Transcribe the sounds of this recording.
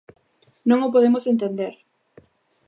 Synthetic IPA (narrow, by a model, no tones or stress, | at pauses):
nõŋʊp̬oðemosent̪end̪eɾ